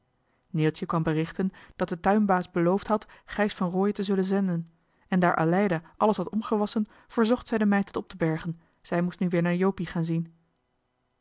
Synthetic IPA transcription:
nɪlˠtəkʋɑmbərɪχtənd̥ɑt̚dətœɥmbaːsbəlowftɦɑtχɛjsfɑnroːjətəzɵlənzɛndən | ɛndaːɹʔa̰lɛjdaʔɑləsɦɑtɔmχəʋɑsən | v̥əɹzɔχtsɛjdəmɛjtətɔp̚təbɛɹχən | z̥ɛjmustnyʋɪːɹnaːɹjowpiχaːnzin

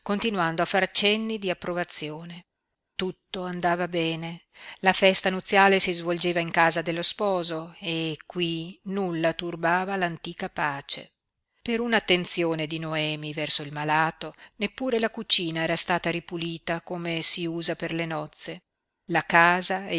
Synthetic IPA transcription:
kont̪inwand̪oafːart͡ʃɛnːid̪iapːɾovat̪sjoːne | t̪ut̪ːoand̪aːvabɛːnelafɛst̪anut̪sːjaːlesizvold͡ʒeːvaiŋkaːzad̪elːospɔːzoekːwinulːat̪urbaːvalant̪iːkapaːt͡ʃḛ | peɾunat̪ːent̪sjoːned̪inoɛːmivɛrsoilmalaːt̪onepːuːɾelakut͡ʃiːnaɛːɾast̪aːt̪aɾipuliːt̪akomesiuːzaperlenɔt̪sːe | lakaːza

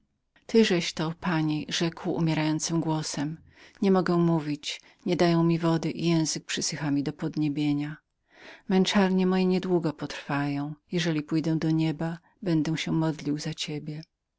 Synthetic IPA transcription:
t̪ɘʐɛɕt̪ɔpaɲiʐɛkwṵmʲɛɾajɔnt̪sɘmɡwɔsɛm | ɲɛmɔɡɛw̃muvʲit͡ɕ | ɲɛd̪ajɔ̃w̃mʲivɔd̪ɘʔijɛ̃w̃zɘk̚pʂɘsɘxamʲid̪ɔpɔd̪ɲebʲjeɲa | mɛnt͡ʂaɾɲɛmɔjɛɲɛd̪wuɡɔpɔt̪ɾfajɔ̃w̃jɛʐɛlʲipujd̪ɛ̃d̪ɔɲɛba | bɛnd̪ɛw̃ɕɛmɔd̪lʲiwzat͡ɕebʲjɛ

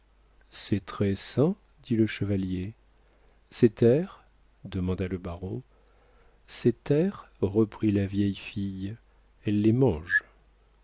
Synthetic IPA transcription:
sɛt̪χɛsɛ̃ | d̪iləʃəvalje | set̪ɛʁ | d̪əmɑ̃d̪aləbaʁɔ̃ | set̪ɛʁʁəpχilavjɛjfij | ɛlːemɑ̃ʒ

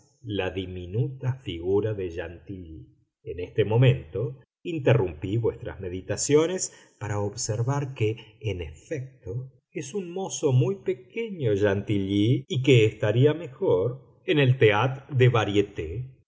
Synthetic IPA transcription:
laðiminut̪afiɣuɾaðeʒant̪iʎi | ene̞st̪emõ̞mẽ̞nt̪o̞ | int̪erumpiβwest̪ɾa̰zme̞ðit̪asjo̞ne̞s | paɾaoβseɾβaɾkeːnefek̚t̪o̞ | esunmo̞so̞mujpe̞ke̞ɲo̞ʒant̪iʎiːk̬eːst̪aɾiame̞xo̞ɾ | ene̞lt̪eat̪d̪eβaɾjet̪e

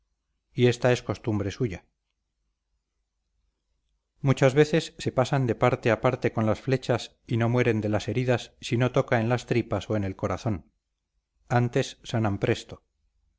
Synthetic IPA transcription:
ie̞st̪ae̞sko̞st̪umbɾe̞suʝa | mut͡ʃazβe̞θe̞sːe̞pasand̪e̞paɾt̪e̞apaɾt̪e̞ko̞nlasfle̞t͡ʃas | ino̞mwe̞ɾe̞nd̪e̞lase̞ɾiðasːino̞t̪o̞kae̞nlast̪ɾipaso̞e̞ne̞lko̞ɾaθo̞n | ant̪e̞sːanampɾe̞st̪o

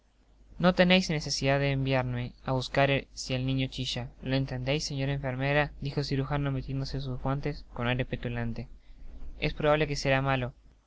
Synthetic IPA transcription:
no̞t̪e̞nejsne̞se̞siðaðeːmbjaɾneaβuskaɾesielnĩɲo̞t͡ʃiʃaloe̞nt̪ɾend̪ejsːeɲo̞ɾaẽɱfe̞ɾmeɾaðixo̞siɾuxanomet̪jend̪oses̬uzɣwant̪e̞sko̞najɾepet̪ulant̪e̞ | e̞spɾoβaβle̞ke̞se̞ɾamalo̞

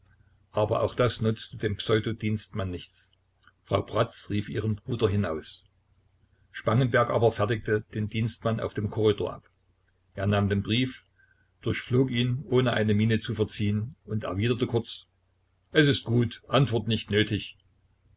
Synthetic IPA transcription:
ʔaːbɐ̰ʔa̰ʊxd̥asnʊt͡stədeːmpsɔʏdodiːnstmanːɪçt͡s | fʁ̥aʊbʁ̥at͡sʁiːfʔiːʁənbʁuːdɐɦɪnaʊs | ʃpaŋənbɛɐkʔa̰ːbɐfɛɐtɪk̚təd̥eːndiːnstmana̰ʊfd̥eːmkʰɔʁido̰ːɐʔa̰p | ʔeːɐnaːmdeːnbʁiːf | d̥ʊɐçfloːkiːnʔoːnəʔa̰ɪnəmiːnət͡sufɛɐt͡siːənʊntɛ̰ɐviːdɐtəkʰʊɐt͡s | ʔɛsɪstɡ̥uːtʔantv̥ɔɐtnɪçtnøːtʰɪç

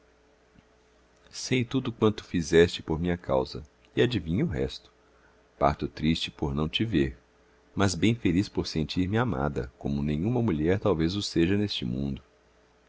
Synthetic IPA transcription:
sejt̪ud̪ʊkwɐ̃nt̪ʊ̥fizɛst͡ʃɪpoɾmĩɲɐka̰wzɐ̰ | iad͡ʒivĩɲʊʊɦɛ̰st̪ʊ̥ | pa̰ɾt̪ʊt̪ɾist͡ʃɪpoɾnɐ̃w̃t͡ʃɪveɾ | mɐzbẽj̃felispoɾsẽnt͡ʃiɾmɪama̰d̪ɐ̰kõmʊnẽjɲ̃ũmɐmuʎɛɾt̪awvezʊseʒɐnest͡ʃɪmũnd̪ʊ

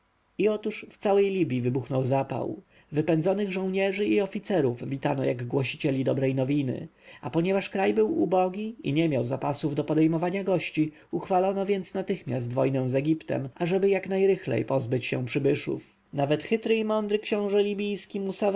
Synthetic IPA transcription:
iɔt̪uʂft̪sawɛjlʲibʲjivɘbuxnɔwzapa̰w | vɘpɛnzɔnɘɣʐɔ̃w̃ɲɛʐɘiɔfʲit̪sɛɾuvvʲit̪anɔjaɡɡwɔɕit͡ɕɛlʲid̪ɔbɾɛjnɔvʲinɘ̰apɔɲɛvaʂkɾajbɘwubɔɡʲiḭɲɛmʲjawzapasuvd̪ɔpɔd̪ɛjmɔvaɲaɡɔɕt͡ɕi | uxfalɔnɔvʲjɛnt̪snat̪ɘxmʲjast̪vɔjnɛw̃zɛɡʲipt̪ɛ̰mʔaʐɛbɘjaknajɾɘxlɛ̰jpɔzbɘt͡ɕɕɛ̰̃w̃pʂɘbɘʂṵf | navɛt̪xɘt̪ɾɘimɔnd̪ɾɘkɕɛ̃w̃ʐɛlʲibʲijskʲimusav

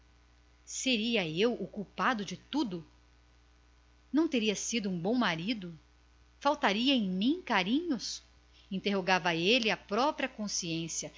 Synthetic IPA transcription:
seɾiɐewokuwpad̪ʊd͡ʒɪt̪ud̪ʊ | nɐ̃w̃t̪eɾiɐsid̪ʊũbõw̃maɾid̪ʊ | fawt̪aɾiɐẽj̃mĩkaɾĩɲʊs | ĩnt̪eɦoɡavɐelɪɐpɾɔpɾiɐkõsiẽsjɐ

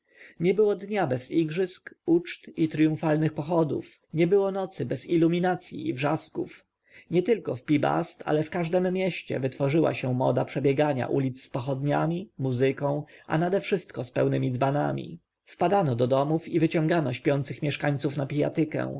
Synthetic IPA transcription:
ɲɛbɘwɔd̪ɲabɛziɡʐɘskut͡ʂt̪it̪ɾjũfalnɘxpɔxɔd̪ṵf | ɲɛbɘwɔnɔt̪sɘbɛzilːumʲinat̪sʲjḭːvʐaskṵf | ɲɛt̪ɘlkɔfpʲiba̰st̪a̰lɛfkaʐd̪ɛmːʲjɛɕt͡ɕɛ̰vɘt̪fɔʐɘwa̰ɕɛmɔ̰d̪apʂɛbʲjɛɡaɲa̰ʔulʲit̪sːpɔxɔd̪ɲamʲimuzɘkɔ̃w̃ʔa̰nad̪ɛfʂɘst̪kɔspɛwnɘmʲid̪zbanamʲḭ | fpad̪anɔd̪ɔd̪ɔmufivɘt͡ɕɔ̃ŋɡanɔɕpʲjɔnt̪sɘxmʲjɛʂkaɲʲt̪sufnapʲija̰t̪ɘkɛ̰̃w̃

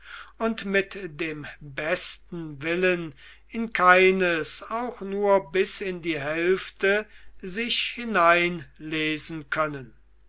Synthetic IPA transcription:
ʊntmɪtdeːmbɛstn̩vɪlən | ɪnkʰaɪnəsaʊxnuːɐbɪsɪndiːɦɛlftəzɪʃhɪnaɪnleːzn̩kʰœnən

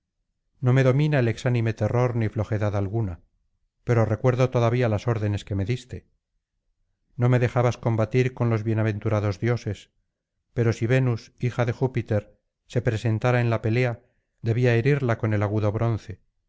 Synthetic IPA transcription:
no̞me̞ðo̞minaeleksanime̞t̪e̞ro̞ɾniflo̞xe̞ðaðalɣuna | pe̞ɾo̞re̞kwe̞ɾðo̞t̪o̞ðaβialaso̞ɾðe̞ne̞ske̞me̞ðist̪e̞ | no̞me̞ðe̞xaβasko̞mbat̪iɾko̞nlo̞zβjenaβ̞ẽ̞nt̪uɾaðo̞zðjo̞se̞s | pe̞ɾo̞siβenusixaðe̞xupit̪e̞ɾ | se̞pɾe̞se̞nt̪aɾae̞nlape̞le̞a | d̪e̞βiaeɾiɾlako̞ne̞laɣ̞uðo̞βɾo̞nθe̞

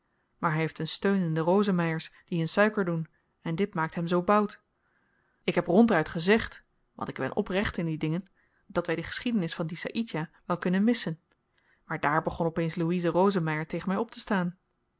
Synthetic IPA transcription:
maːɹɦɛɦeftənstøɥnɪndərowzəmɛjəɹsd̥iɦɵnsœɥkəɹdun | ɛndɪtmaːk̚tɦɛmzowbɑwt | ɪkɦɛprɔntœɥtχəzɛχt | ʋɑ̰ntɪɡbɛ̰nʔɔ̰prɛχtɪndidɪŋən | d̥ɑtʋɛjdəχə̥sχidənɪsfɑndisa̰ʔitjaʋɛlˠkɵnənmɪsən | maːɹdaːɹbəχɔnɔpejnsluizərowzəmɛjəɹtejχənmɛjɔp̚tə̥staːn

